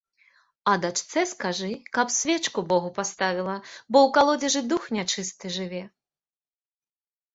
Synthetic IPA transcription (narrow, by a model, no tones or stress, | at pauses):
ɐd̪at͡ʂt̪sɛskaʐɨkɐpsʲvʲɛt͡ʂkubɔɣupast̪avʲilˠɐbɔwkalˠɔd͡zʲɛʐɨd̪uxnʲat͡ʂɨst̪ɨʐɨvʲɛ